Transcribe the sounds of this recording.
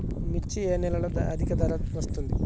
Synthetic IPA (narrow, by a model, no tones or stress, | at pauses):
mit͡ʃːieːnilɐɭɐd̪ɐʔɐd̪ʱikɐd̪ʱɐɾɐʋɐst̪und̪i